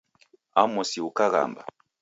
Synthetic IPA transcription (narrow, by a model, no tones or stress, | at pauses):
amɔsiukaɣa̰mba̰